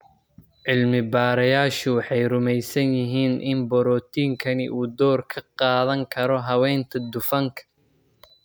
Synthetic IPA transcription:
ʕɪlmɪbaːɾɐjaːʃʊwɑħɑjrʊmɛjsɐnjɪɦiːnʔɪnbɔɾɔːt̪ʰiːŋkʰɐnɪʔuːd̪ɔːrkʰɐqɑːðɐŋkʰɐɾɔɦɐwɛːnt̪ʰɐd̪ʊfɐŋkʰɐ̥

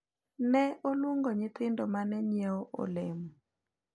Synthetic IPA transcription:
nɛolwuŋɡoɲɪt̪ɪndɔmanɛɲɛɔʔɔ̰lɛm

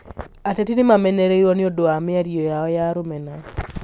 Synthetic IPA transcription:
atetinɪmamɛnɛɾeiɾwɔneɔdoamɪaɾiɔjaɔjaɾomɛna

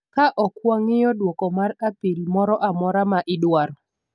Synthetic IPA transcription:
kaʔɔkwɔŋɪjɔdwɔkɔmarapilmɔɾɔʔamɔɾamaʔɪdwaɾɔ

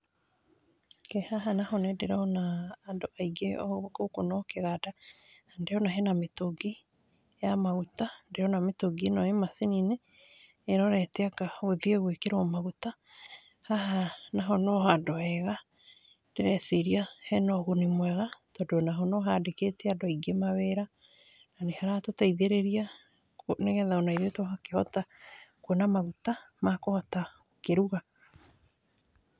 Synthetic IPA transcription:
kɛhaɦanahɔnendeɾaɔnaːndoʔaiɡeɔ̰βkokonɔkeɣadaandeɔnaɦɛnametoɡi | jamaɣutandeɔnametoɡinɔemasinineː | ɾɔɾɛtɛakaoðieɣwekeɾɔmaɣuta | haɦanaɦɔnɔɦadɔɛɣa | d̥eɾɛseɾiahɛnɔɣonemwɛɣatɔdonaɦɔnɔɦadeketɛadɔiɡemaβɛɾa | nanehaɾatotaiðeɾeɾia | koneɣɛðaonaiðetoɦakehɔtakwenamaɣutamakohɔtaokeɾuɣa

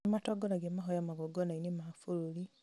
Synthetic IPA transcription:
matoɡonaɡemaɦojamaɣoɡonainimafululi

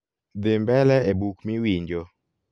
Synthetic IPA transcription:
d̪ɪmbɛlɛebukmiwiɲd͡ʒɔ

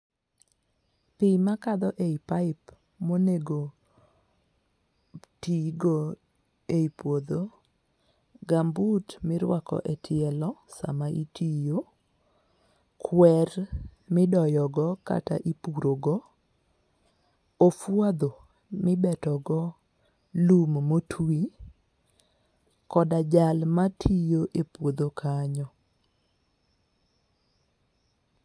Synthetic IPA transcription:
pɪmakad̪ɔʔeipaɪp | moneɡo | tiɡɔ | eipwod̪o | ɡambutmɪɾwakɔ̰ʔɛtʰɪɛlɔsa̰maʔitijo | kʰwɛrmɪdɔjɔɡɔka̰ta̰ʔipuɾoɡɔ | ofwad̪o | mɪbɛtɔɡɔ | lummotʰwi | kɔdad͡ʒalmatʰijoʔepwod̪okʰaɲɔ

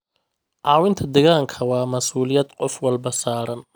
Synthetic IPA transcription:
ʔɑːwɪnt̪ʰɐd̪ɛɣaŋkʰɐwɑːmɐsuːlɪjɐd̪qɔfwɑlbɐsaːɾɐn

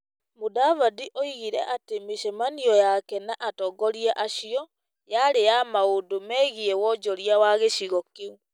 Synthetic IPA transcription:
modavadiʔoiɣiɾɛ̰ʔatemeʃɛmaniɔjakɛnaʔatɔɡɔɾiɛʔaɕiɔ | jaɾejamaodomɛːɣiɛwɔd͡ʒɔɾiawaɣeɕiɣɔke

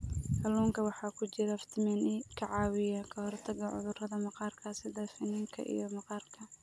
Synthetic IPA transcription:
kʰɐluːŋkʰɐwɑħɑːkʰʊt͡ʃɪɾɐft̪ʰɪmɛnɪkʰɐʕɑːwɪjaːkʰɐhɔrt̪ʰɐɣɐʕʊ̰ðʊrɐðɐmɑqɑːrkʰasɪd̪ɐfɪniːŋkʰɐ̰ʔḭjɔmɐqɑːrkʰɐ

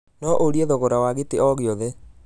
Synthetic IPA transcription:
nɔʔoɾiɛðoɣoɾawaɣeteɔɣeɔðe

